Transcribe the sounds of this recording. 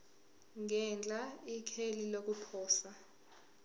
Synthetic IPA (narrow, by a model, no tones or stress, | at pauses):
ŋɛnd͡ɮʱaikʰelilok̬upʰɔːsa